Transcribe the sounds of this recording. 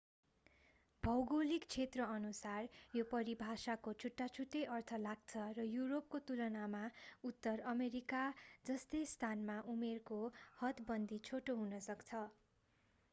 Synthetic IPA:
bʱʌwɡolikt͡sʰet̪rʌʌnusarjopʌɾibʱasakot͡sʰuʈːat͡sʰuʈːeʔʌrt̪ʰʌlaɡt͡sʰʌrʌjuɾop̚kot̪ulʌnamaut̪ːʌrʌmeɾikad͡zʌst̪ʌjst̪ʰanmaʔumerkohʌt̪bʌnd̪ʱit͡sʰoʈoɦunʌsʌkt͡sʰʌ

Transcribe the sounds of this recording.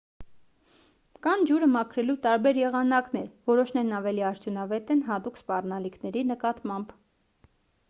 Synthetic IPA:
kɑnd͡ʒuɾəmɑkʰɾɛlut̪ɑɾbɛɾjɛʁɑnɑknɛɾvɔɾɔʃnɛɾnɑvɛliɑɾt̪ʰjunɑvɛt̪ɛnɦɑt̪ukspɑrnɑlikʰnɛɾinəkɑt̪mɑmb

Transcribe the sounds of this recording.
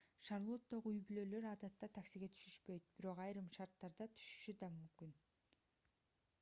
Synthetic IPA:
ʃɑɾlˠo̞t̪ːo̞ʁuyjbylø̞ːlø̞ɾɑːd̪ɑt̪ːɑt̪ʰæksiɡe̞t̪ʰy̥ʃyʃpø̞jt̪̚b̥iɾo̞qɑjɾɯmʃɑɾt̪ːɑɾd̪ɑt̪ʰy̥ʃy̥ʃyd̪ɑmymkyn

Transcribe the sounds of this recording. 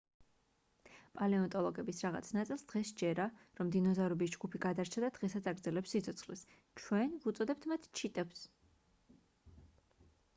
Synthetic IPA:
pʼalɛɔnt̪ʼɔlˠɔɡɛbisɾaʁa̰t̪sʰnat̪sʼilˠsd̪̥ʁɛsd͡ʒɛɾaɾɔmd̪inɔzavɾɔbisd͡ʒɡupʰiɡad̪aɾt͡ʃʰad̪ad̪̥ʁɛsat̪sʰaɡɾd̪zɛlɛpsːit̪sʰɔt̪sʰχlis | t͡ʃʰwɛnvut̪sʼɔd̪ɛp̚t̪ʰmat̪ʰt͡ʃʰit̪ʼɛps

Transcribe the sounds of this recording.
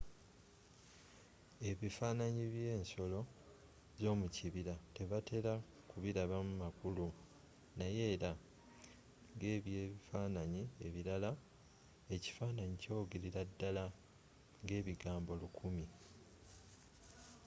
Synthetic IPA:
e̞βifaːnaɲiβje̞ːnso̞lo̞ | zo̞ːmuciβiɾate̞βatʰe̞ɾa | kuβiɾaβamumakulu | naje̞ːɾa | ŋɡe̞ːβje̞ːβifaːnaɲie̞βiɾala | e̞ci̥faːnaɲico̞ɡeɾiɾadːala | ŋɡe̞ːβiɡaːmbo̞lukʰumi

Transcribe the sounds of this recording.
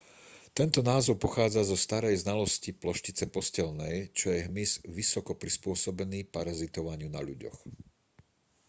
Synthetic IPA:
t̪ɛnt̪ɔnaːzɔʊpɔxaːd͡zazɔst̪aɾɛjznalɔsciplɔʃcit͡sɛpɔscɛlnɛjt͡ʃɔjɛɦmizʋisɔkɔpɾispʊɔsɔbɛniːpaɾazit̪ɔʋaɲɪuna̰ʎṵɟɔ̰x

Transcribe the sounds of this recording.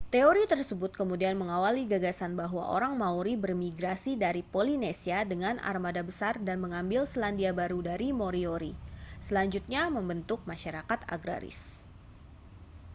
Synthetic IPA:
t̪eoɾit̪ərsəbʊt̪̚kəmudianməŋawaliɡaɡasanbaɦwa̰ʔo̰ɾaŋmauɾibərmiɡɾasidaɾipolinesiadəŋana̰rmadabəsardanməŋambɪlsəlandiabaɾudaɾimoɾioɾisəlaɲd͡ʒut̪̚ɲaməmbənt̪ʊk̚maʃaɾakat̪a̰ɡɾa̰ɾɪ̰s

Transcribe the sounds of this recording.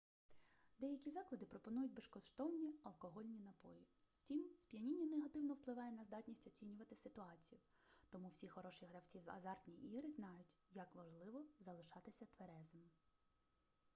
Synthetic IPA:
d̪ɛjɐkʲizɑklˠɐd̪ɪpɾɔpɔnujʊtʲbeʃkɔʃt̪ɔwnʲiɐlˠkɔɦɔlʲnʲinɐpɔjiw̥tʲimspʲijɐnʲinʲːɐneɦɐt̪ɪwnɔwplˠɪʋɑjɛnɐzd̪ɑtʲnʲisʲtʲɔt͡sʲinʲʊʋɐt̪ɪsɪt̪ʊɑt͡sʲijʊ | t̪ɔmuwsʲixɔɾɔʃiɦɾɐwt͡sʲiwzɐ̰zɑrt̪ʲnʲiʔiɾɪznɑjʊtʲjɐkʋɐʒlˠɪʋɔzɐlˠɪʃɑt̪ɪsʲɐt̪ʋeɾɛzɐm

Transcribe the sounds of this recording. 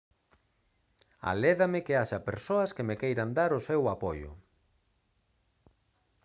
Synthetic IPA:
a̰lɛðɐmɪkeaʃɐpeɾsoɐskɪmekejɾɐnd̪aɾʊsewapojʊ̰

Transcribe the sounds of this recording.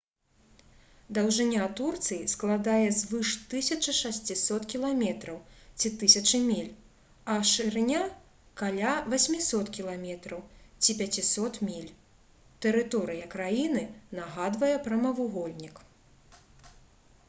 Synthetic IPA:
d̪ɐwʐɨnʲat̪urt̪sɨjisklˠad̪ajɛzvɨʂt̪ɨsʲɐt͡ʂɨʂasʲt͡sʲisɔt̪kʲilˠamʲɛt̪ɾɐwt͡sʲit̪ɨsʲɐt͡ʂɨmʲilʲ | ɐʂɨɾnʲa | kalʲavasʲmʲisɔt̪kʲilˠamʲɛt̪ɾɐwt͡sʲipʲat͡sʲisɔt̪mʲilʲ | t̪ɛɾɨt̪ɔɾɨjɐkɾajinɨnaɣad̪vɐjɛpɾɐmɐvuɣɔlʲnʲik

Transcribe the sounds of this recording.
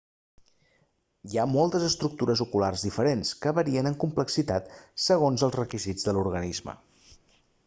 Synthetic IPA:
iamɔlˠt̪əzəst̪ɾuk̚t̪uɾəzukularzðifəɾenskəβəɾiənəŋkumpləksit̪at̪səɣ̞onzəlˠzrəkizid͡zðəluɾɣənizmə̰

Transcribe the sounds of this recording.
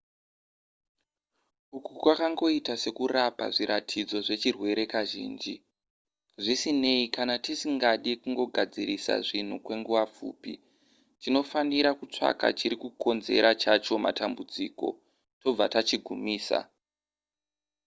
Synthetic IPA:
ukukwakaŋɡo̞itase̞kurapa̰ʐiɾatʰid͡zo̞ʐe̞t͡ʃirwe̞ɾe̞kaʒḭːnd͡ʒi | ʐisine̞ikanatisiŋɡaɗikuŋɡo̞ɡʱad͡ziɾisa̰ʐin̤ukwe̞ŋɡuʋap͡fṵːpḭ | tino̞faniɾakut͡ʂa̰ka̰t͡ʃiɾikuko̞nze̞ɾat͡ʃat͡ʃo̞ma̰tambud͡ziko̞̰ | to̞b͡vatat͡ʃiɡʱumiːsa̰

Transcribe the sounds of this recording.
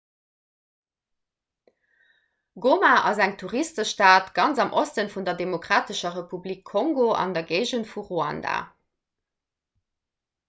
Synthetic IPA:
ɡomaʔɑzæŋtʰuʁistəʃtaːtɡ̥ɑnzɑmʔostənfundɐdemokʁ̥aːtəʃɐʁepublikʰːoŋɡoʔɑ̰ndɐɡɜɪʒənfuʁuɑ̰nda̰

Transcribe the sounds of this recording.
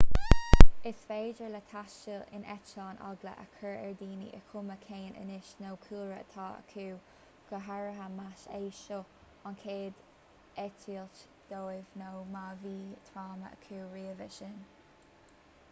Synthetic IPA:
ɪsfeːd͡ʒəɹlət̪ʰaʃəɪ̰nʔɛt͡ʃɑːnɑ̰ɡlə̰ʔə̰kʰəɹɛɹd̪iːnḭʔəkʰʊməkʰeːnʔə̰nɪʃnowkʰuːɹə̰t̪ʰɑːə̰kʰuː | ɡ̥əɦaɹəɦəmaʃeːʃɔ | ankʰeːd̪ | ɛtʰiːlt | d̪̥oːɪvnowmaːviːt̪ʰɾaːmə̰ə̰kʰuːɹiːəvəʃɪn

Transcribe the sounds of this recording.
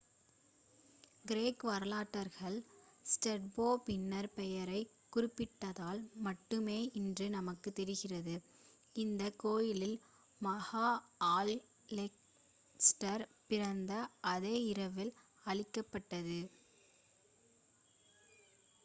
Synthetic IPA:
ɡɪɾeːkʋɐɾlaːʈːɐɾɣɐɭsʈɛʈ̚boːpɪnːɐɾpɛjɐɾɐɪ | kːʊɾɪpːɪʈːɐðaːlmɐʈːɯmeːʔɪndrɯnɐmɐkːɯt̪ːɛɾɪɣɪrɐðɯ | ɪnd̪ɐkoːjɪlɪl | mɐɣaːaːl | lɛk | sʈɐɾpɪɾɐnd̪ɐʔɐðeːɪɾɐʋɪl | ɐɭɪkːɐpːɐʈːɐðɯ

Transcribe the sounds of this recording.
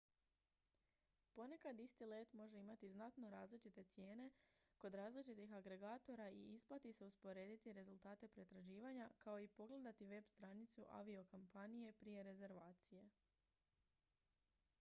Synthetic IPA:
po̞ne̞kad̪ist̪ile̞ːt̪mo̞ʒe̞imat̪iznat̪no̞ɾaːzlit͡ʃit̪e̞t̪sje̞ːne̞ko̞d̪ɾaːzlit͡ʃit̪ixaɡɾe̞ɡaːt̪o̞ɾaḭisplat̪ise̞uspo̞ɾe̞ːd̪it̪iɾe̞zulˠt̪aːt̪e̞pɾe̞t̪ɾaʒiːʋaɲakaoipo̞ɡle̞d̪at̪iʋe̞bst̪ɾanit̪suʔa̰ʋio̞kompanije̞pɾije̞ɾe̞ze̞ɾʋaːt̪sije̞

